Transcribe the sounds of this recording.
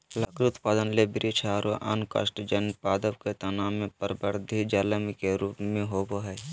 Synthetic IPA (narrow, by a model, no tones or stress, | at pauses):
lɐkɾiʊt̪paːd̪ənlebɪɾit͡ʃʰaːɾoʔa̰nka̰sʈd͡ʒənpaːd̪əʋket̪ɐnaːmẽpəɾbəɾd̪ʱid͡ʒaːləmikeɾuːpmẽɦoboɦɛː